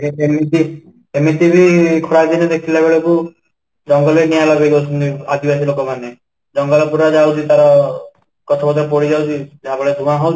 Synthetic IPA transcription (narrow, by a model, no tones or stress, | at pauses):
eemit̪i | emit̪ibʱikʰoɾad̪inɛd̪ekʰilebeɭɔku | d͡ʒɔŋɡɔlenialɔbeɡewt͡ʃʰunt̪iad̪ibas̬ilokɔmane | d͡ʒɔŋɡɔlɔpuɾad͡ʒawt̪ʰit̪aɾɔ | kɔt̪ʰɔbɔd̪ɾp̬ɔɽid͡ʒawt͡ʃʰid͡ʒeɦabeɭed̪ʱumaɦɔw